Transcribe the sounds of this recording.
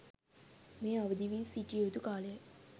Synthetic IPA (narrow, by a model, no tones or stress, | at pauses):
mẽjabəd̪ibisitiot̪ukalɛ